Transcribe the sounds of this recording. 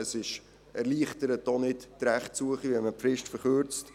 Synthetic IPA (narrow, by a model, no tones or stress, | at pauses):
əsɪʃ | ɛɾliːχtəɾətːonɪttɾæχtsuəχivɛməpfɾɪʃtfəɾχøːɾt͡st